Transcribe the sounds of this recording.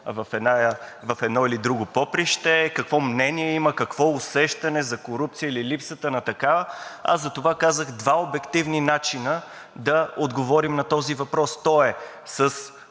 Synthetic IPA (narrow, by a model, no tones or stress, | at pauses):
vɐfɛna | vɐfɛd̪nɔilid̪ɾuɡʊpɔpɾiʃt̪ɛkɐkvɔmnɛniɛiməkɐkvɔʊsɛʃt̪ɐnɛzɐkoɾup̚t̪sijəililipsət̪ənɐt̪ɐkavəa̰zɐt̪ovakazəɣd̪vaobɛkt̪ivninat͡ʃinə | d̪ɐod̪ɡovɔɾimnɐt̪ɔzivɐpɾɔst̪ɔɛ | səs